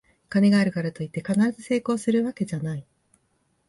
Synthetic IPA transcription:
kane̞ɡaːɾɯ̟kaɾat̪o̞it̪ːe̞kanaɾazɨse̞ːko̞ːsɨɾɯ̟βake̞ʑanai

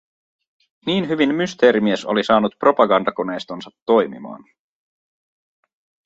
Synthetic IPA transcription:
niːnɦyʋinmːyst̪e̞ːɾimieso̞̰lisɑːnut̪̚pro̞pɑɡɑndɑko̞ne̞jst̪onsɑt̪ːo̞jmḭmɑ̰ːn

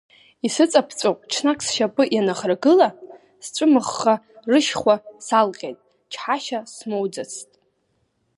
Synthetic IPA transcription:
isɨt͡sʼapʰt͡sʷʼowpʼt͡ʃʰnakʰʼsʃapʼɨʔjanaχrɡɨla | sʈ͡ʂʷʼɨmɨχːa | rɨʃχʷasalqʲʼetʼ | t͡ʃʰħaʃasmowd͡zat͡sʰtʼ

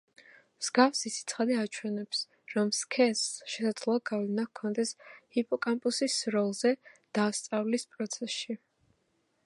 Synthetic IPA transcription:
mz̥ɡafsisʰit̪sʰχad̪iat͡ʃʰwɛnɛps | ɾɔmskʰɛsʃɛsad̪zlˠɔaɡavlɛnakʰːɔnd̪ɛshipʼɔkʼampʼusisɾɔlˠzɛd̪̥aːst̪sʼavlispʼɾɔt̪sʰɛsʃi

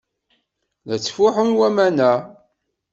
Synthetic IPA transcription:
læt͡sːfʊħunwæmænæ

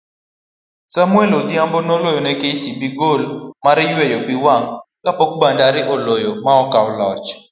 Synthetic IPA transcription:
samwɛlodiambonolojɔnɛkeisibiɡolmaɾɪjwɛjopiwaŋkapɔk̚bandaɾɪʔolojomaɔkawlɔt͡ʃ

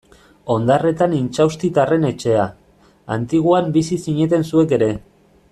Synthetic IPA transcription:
o̞nd̪are̞t̪anint͡ʃawst̪it̪are̞ne̞t͡ʃe̞a | a̰nt̪iɣ̞uambisisiɲe̞t̪e̞nsue̞ke̞ɾe̞

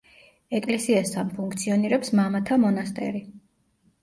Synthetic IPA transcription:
ɛkʼlɛsiast̪ʰanpʰuŋkʰt̪sʰiɔniɾɛpsmamat̪ʰamɔnast̪ʼɛ̰ɾi

